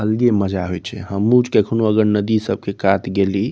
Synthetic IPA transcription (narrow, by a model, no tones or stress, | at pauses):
əlɡeməd͡ʒaɦojt͡ʃʰɛ̰ɦəmud͡ʒkekʰnoəɡəɾnəd̪isəb̚kekat̪ɡeli